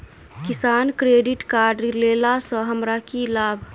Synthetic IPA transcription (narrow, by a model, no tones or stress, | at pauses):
kisaːnkɾeɖiʈkaɾɖlelasə̃ɦəmɾakilaːbʱ